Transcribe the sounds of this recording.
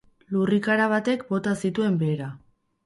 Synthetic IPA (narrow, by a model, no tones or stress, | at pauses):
lurikaɾaβ̞at̪e̞kbo̞t̪asit̪ue̞mbe̞ːɾa